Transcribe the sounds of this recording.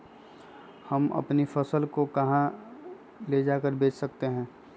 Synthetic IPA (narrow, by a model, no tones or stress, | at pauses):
hɐmɐ̰pnifʰɐsəlkokɐɦã | led͡ʒaːkəɾbʱeːt͡ʃʰsək̚t̪eɦɛ̃ː